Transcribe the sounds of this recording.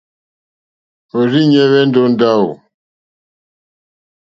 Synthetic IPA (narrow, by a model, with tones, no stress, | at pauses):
o˨ɾi˦ɲɛ˦βɛ˦n˦do˦nda˦o̰˨